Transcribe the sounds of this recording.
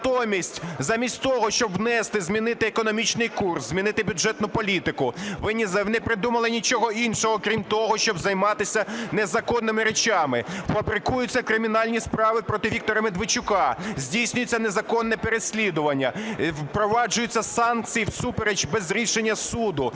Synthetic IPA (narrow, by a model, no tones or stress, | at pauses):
t̪ɔmʲisʲtʲzɑmʲisʲtʲt̪ɔɦɔʃt͡ʃɔbʋnɛst̪ɪzʲmʲinɪt̪ɪekɔnɔmʲit͡ʃnɪjkurszʲmʲinɪt̪ɪbʲʊdʐɛt̪nʊpɔlʲit̪ɪkʊʋɪnʲnɛpɾɪd̪umɐlˠɪnʲit͡ʃɔɦɔinʃɔɦɔkɾʲimt̪ɔɦɔʃt͡ʃɔbzɐjmɑt̪ɪsʲɐnezɐkɔnːɪmɪɾet͡ʃɑmɪfɐbɾɪkujʊt͡sʲːɐkɾɪmʲinɑlʲnʲispɾɑʋɪpɾɔt̪ɪʋʲik̚t̪ɔɾɐmed̪ʋɪt͡ʃʊkɑzʲdʲijsʲnʲʊjʊt͡sʲːɐnezɐkɔnːɛpeɾesʲlʲid̪ʊʋɐnʲːɐpɾɔʋɑd͡ʒʊjʊt͡sʲːɐsɑnk̚t͡sʲijwsupeɾed͡ʒbɛzɾʲiʃenʲːɐsud̪ʊ